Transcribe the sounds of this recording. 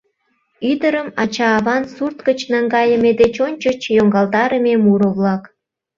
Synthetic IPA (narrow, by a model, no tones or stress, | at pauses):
yd̪əɾəmɑt͡ɕɑːβɑnsurt̪kət͡ɕnɑŋɡɑjəmed̪et͡ɕonʲt͡ɕət͡ɕjoŋɡɑlt̪ɑɾəmemuɾəβlɑk